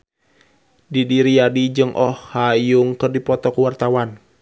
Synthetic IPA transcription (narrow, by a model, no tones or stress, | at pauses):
didiɾiadid͡ʒɨŋʔɔhːajuŋkɨrdipɔt̪ɔkuwart̪awan